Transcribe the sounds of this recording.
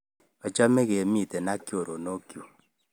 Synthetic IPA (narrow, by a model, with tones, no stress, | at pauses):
a˨t͡ʃa˦me˦ɣe˨mi˦˨tɛ˨na˦kjo˨ɾo˨no˦kjo˨